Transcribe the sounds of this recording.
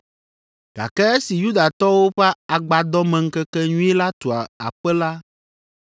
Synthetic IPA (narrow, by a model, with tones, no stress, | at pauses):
ɡ̥a̰˨kɛ˦e˦si˨ju˦d̪a˨t̪ɔ˦wo˦ɸɛ˦a˨ɡ͡ba˨d̪ɔ˦mɛ̃˨ŋ̩˦kɛ˦kɛ˦ɲũ˦ɛ˦la˦t̪o˨a˨a̰˨ɸɛ˦la˦